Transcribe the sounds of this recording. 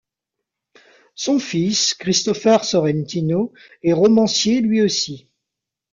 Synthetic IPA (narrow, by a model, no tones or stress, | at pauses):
sɔ̃fiskχist̪ɔfɛʁsɔʁɛnt̪ino | ɛʁɔmɑ̃sjelɥiosi